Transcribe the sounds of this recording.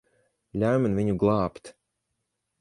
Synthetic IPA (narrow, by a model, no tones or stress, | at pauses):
lʲaɥmʲinvʲiɲuɡlˠɑːpt̪